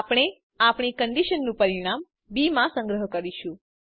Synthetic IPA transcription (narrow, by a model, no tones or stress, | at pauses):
apɽ̃e | apɳ̃ikəɳɖiʃənːũpəɾiɽ̃am | bimãsə̃ŋɡɾəɦkəɾiʃũ